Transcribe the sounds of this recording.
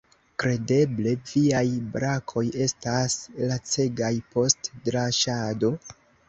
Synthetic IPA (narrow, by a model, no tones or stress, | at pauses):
kɾe̞de̞ble̞viajbɾakʰo̞je̞staslat͡se̞ɡajpo̞stdɾaʃado̞